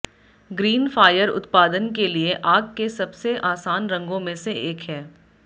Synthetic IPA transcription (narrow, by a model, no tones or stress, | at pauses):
ɡɾiːnfaːjəɾʊ̰t̪paːd̪ənkelieʔaːɡkesɐbseʔaːsaːnɾɐ̃ŋɡõmẽseʔeːkɦɛː